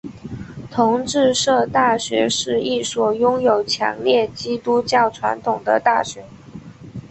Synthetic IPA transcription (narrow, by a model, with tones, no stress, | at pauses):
t̪ʰʊ˧˥ŋʈ͡ʂɻ̩˥˧ʂɤ˥˧t̪a˥˩ɕɥɛ˧˥ʂɻ̩˧˥˧i˥˩swɔ˨˩jʊ˥ŋjo˨˩ʊt͡ɕʰjɑ̰˧˥ŋljɛ˥˩t͡ɕi˥t̪u˥t͡ɕjɑ˥˩ʊʈ͡ʂʰwa̰˧˥nt̪ʰʊ˨˩ŋd̪ə̰˦t̪a˥˩ɕɥɛ˧˥